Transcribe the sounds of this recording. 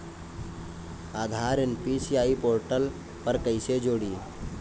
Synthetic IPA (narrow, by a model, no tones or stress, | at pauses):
aːd̪ʱaːɾənpisiaːipoːɾʈəl | pəɾkəɪsed͡ʒoːɽi